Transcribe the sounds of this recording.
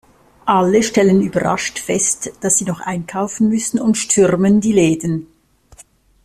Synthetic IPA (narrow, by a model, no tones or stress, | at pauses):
ʔaləʃtɛlənyːbɐʁa̰ʃtfɛstd̥asz̥iːnɔχʔa̰ɪnkʰaʊfn̩mʏsn̩ʊntʃtʰʏʁməndiːleːdən̩